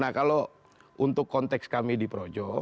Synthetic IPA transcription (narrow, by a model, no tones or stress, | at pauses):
nakalo | ʔunt̪ʊkːɔnt̪ɛkskamidipəɾod͡ʒɔ